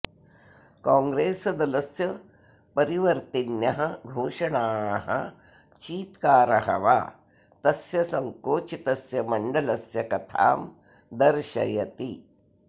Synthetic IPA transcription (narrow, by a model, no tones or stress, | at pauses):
kaːŋɡɾeːsɐd̪ɐlɐsjɐ | pɐɾiʋɐɾt̪injɐɦɐɡʱoːʃɐɳaːɦɐ̰ | t͡ʃiːt̪kaːɾɐɦɐ̰ʋa̰ː | t̪ɐsjɐsɐŋkoːt͡ʃit̪ɐsjɐmɐɳɖɐlɐsjɐkɐt̪ʰa̰ːm | d̪ɐɾʃɐjɐt̪i